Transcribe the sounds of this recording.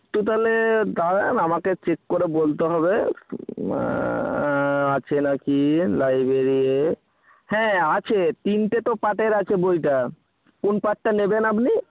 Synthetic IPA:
t̪ut̪̬aled̪aɾenamaket͡ɕekːoɾebolt̪eɦɔbe | at͡ɕʰenakilajbɾeɾiie | hɛ̃at͡ɕʰet̪inʈet̪opaʈeɾat͡ɕʰebojʈa | konpaʈ̚ʈːanebenapni

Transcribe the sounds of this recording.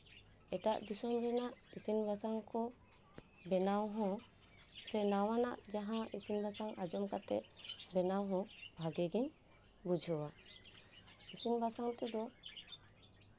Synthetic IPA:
ɛʈa̰ʔd̪isɔmbɛnaʔisinbʱasaŋkɔ | bɛnawɦɔ̃ | sɛnawana̰ʔd͡ʒaɦãisinbʱasaŋʔad͡ʒɔmkat̪ɛ̰ʔ̪̚bɛnawɦɔ̃bʱaɡɛɡiɲ | bud͡ʒʱɔwa | isinbʱasaŋt̪ɛd̪ɔ

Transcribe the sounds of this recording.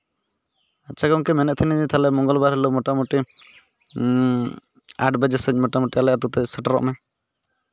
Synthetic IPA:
at͡ʃʰakɔŋkɛmɛnɛʔ̚t̪ʰɛniit̪ʰalɛmɔŋɡɔlbaɾɦɛlomɔʈamuʈi | a̰ʈbɛd͡ʒɛsəɲmɔʈamɔʈialɛʔat̪ut̪ɛsəʈaɾɔ̰ʔmɛ

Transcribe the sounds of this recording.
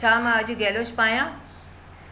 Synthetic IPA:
t͡ɕʰaːmãɐʄʊɡɛːlot͡ʃʰpaːjãː

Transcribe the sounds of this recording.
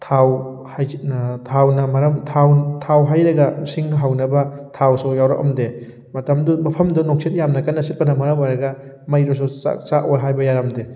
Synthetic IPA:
tʰaw | hajtʰawnɐmɐɾɐmtʰawtʰawɦajɾɐɡɐsiŋɦawnɐbɐtʰawsujawɾɐ̰k̚ɐ̰mde | mɐtɐmdumɐpʰɐmdunok̚sʰet̚jamnɐkanːɐsit̚pɐnɐmɐɾɐmojɾɐɡɐ | mɐjɾɔs̬ua̰saʔojɦajbɐjaɾɐmde

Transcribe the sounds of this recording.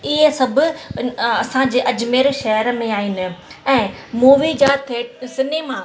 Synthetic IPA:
ɪɦesɐbʱʊ̆ | ɐsãd͡ʑeːʔɐd͡ʑmeːɾʃɐɦəɾəmẽaːɦɪnɪ̆ɛ̃ːmuːʋid͡ʑat̪ʰeːsɪneːmãː

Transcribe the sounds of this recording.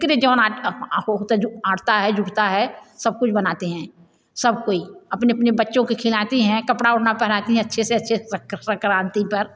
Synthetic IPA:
kɾed͡ʒəːnaʈɦoɦot̪ad͡ʒaːʈt̪aɦɛd͡ʒʱʊɽt̪aɦɛsəb̚kʊt͡ʃʰbənaːt̪eɦɛ̃ː | səb̚koiɐpneɐpnebətːʃõkekʰɪlaːt̪iɦɛ̃ːkɐpɽaʊʈnapɛɦɾaːt̪iɦɛ̃ɐtːʃʰeseɐtːʃʰekəkɾãːnt̪ipəɾ

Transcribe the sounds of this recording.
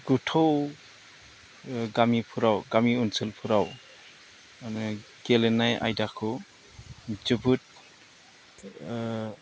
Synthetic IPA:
ɡ̥utʰow | ɡamipʰuɾawɡamiunsɯlpʰuɾaw | n | ɡ̥elenaja̰jdakʰɯ | d͡ʒubut̚

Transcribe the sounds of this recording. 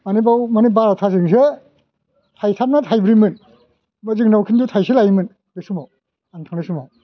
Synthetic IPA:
anibawmanibaɾatʰas̬iŋs̬ɯ | tʰajtʰap̚natʰajbɾimɯn | mɯziŋnawkʰindutʰajselajmɯn | besumaw | antʰaŋnasumaw

